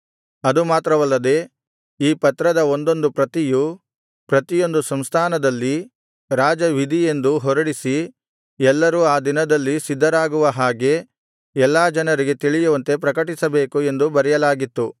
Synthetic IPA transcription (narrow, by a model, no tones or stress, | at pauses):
ɐd̪umaːt̪ɾɐʋɐlːɐd̪e̞ː | iːpɐt̪ɾɐd̪ɐo̞nd̪o̞nd̪upɾɐt̪iju | pɾɐt̪ijo̞nd̪usɐmst̪ʰaːnɐd̪ɐlːi | ɾaːd͡ʒɐʋid̪ʱije̞nd̪uɦɔɾɐɽisi | ɛlːɐɾuaːd̪inɐd̪ɐlːisid̪ʱːɐɾaːɡuʋɐɦaːɡe̞ | ɛlːaːd͡ʒɐnɐɾiɡe̞t̪iɭijuʋɐnt̪e̞pɾɐkɐʈisɐbe̞ːkue̞nd̪ubɐɾɛjɐlaːɡit̪ːu